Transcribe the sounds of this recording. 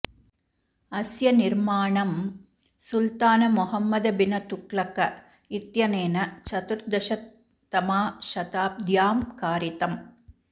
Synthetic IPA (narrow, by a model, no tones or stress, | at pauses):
ɐsjɐniɾmaːɳɐm | sult̪aːnɐmuɦɐmːɐd̪ɐbinɐt̪ukɭɐkɐ | it̪jɐneːnɐt͡ʃɐt̪uɾd̪ɐʃɐt̪ː | ɐmaːʃɐt̪aːp̚d̪jaːmkaːɾit̪ɐm